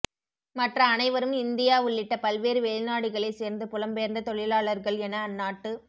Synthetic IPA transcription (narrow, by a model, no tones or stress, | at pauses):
mɐʈrɐːnɐɪʋɐɾɯmɪnd̪ɪjaːʊɭːɪʈːɐpɐlʋeːɾɯʋeɭnaːɽɯɣɐɭɐɪseːɾnd̪ɯpʊlɐmpejɐɾnd̪ɐt̪ɔɭɪlaːɭɐɾɣɐɭɛnɐːnːaːʈːɯ